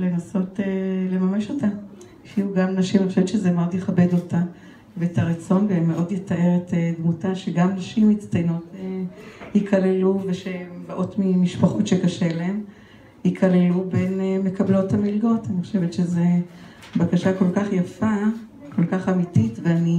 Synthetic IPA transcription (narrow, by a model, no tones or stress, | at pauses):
le̞naso̞tele̞mameʃo̞ta | filuɡamnaʃimaniχoʃevetʃezemad̪jeχabe̞dota | veːtʰaʁet͡so̞nbamːeʔo̞djetaʔe̞ʁetedmutaʃe̞ɡamnaʃimitt͡stajnotehikʰaleluve̞ʃembaʔo̞tmimiʃpaχotʃekaʃeleem | hikʰalelube̞nme̞kablo̞thamilɡo̞taniχoʃe̞vetʃeze | bakaʃako̞lkaχjafa | ko̞lkaχamititveani